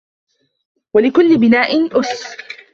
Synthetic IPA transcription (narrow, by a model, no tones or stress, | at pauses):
walɪkʊlːɪbɪnaːʔɪnʔʊs